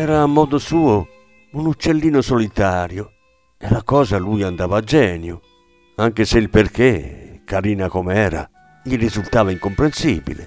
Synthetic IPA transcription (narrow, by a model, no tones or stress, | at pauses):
ɛːɾaːmːɔːd̪ʊsuːo | unut͡ʃːelːiːnʊsolit̪aːɾjo | ɛlakɔːzalujand̪aːvaːd͡ʒːɛːnjʊ | aŋk̟eseilperk̟ekːaɾiːnakomeɛːɾa̰ | ʎiɾizult̪aːvaiŋkompɾensiːbḭlḛ